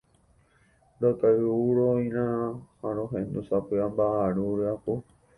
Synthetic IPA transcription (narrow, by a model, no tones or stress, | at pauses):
dokauɾoĩɾãhãɾõɦẽnd̪usapɨambaaɾuɾeapo